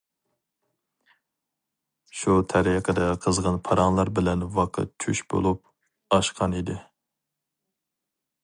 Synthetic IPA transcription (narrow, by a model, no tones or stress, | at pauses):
ʃut̪ʰɛɾiqʰəd̪ɛqʰəzʁɑnpʰɑɾɑŋlˠɑɾbɪlɛnvɑqʰə̰t̪̚t͡ʃʰyʃbo̰lˠup̚ | ɑʃqʰɑnid̪ɪ